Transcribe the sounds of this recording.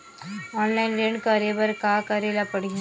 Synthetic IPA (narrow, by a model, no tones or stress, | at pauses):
ɔːnlaɪnɾẽɳɖkɐɾeʋɐɾkakɐɾeːlapɐɽi